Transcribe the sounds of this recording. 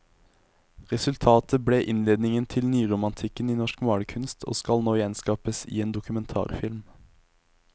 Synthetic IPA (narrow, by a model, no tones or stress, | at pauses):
ʁɛsʉlt̪ʰɑːt̪əbɽeːʔɪnleːd̪nɪŋənt̪ʰɪlnyːʁʊmɑnt̪ʰɪkəniːnɔʃkmɑːɽəkʰʉnst̪ʰo̰ːskɑlnoːjɛnskɑːpəsḭːeːnd̪ʊkʉmɛnt̪ʰɑ̰ːʁfɪlm